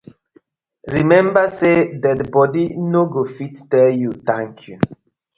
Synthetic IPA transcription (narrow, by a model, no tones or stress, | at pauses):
ɹimɛ̃mbasedɛtbɔdinoɡofitːɛljut̪ãŋkʰju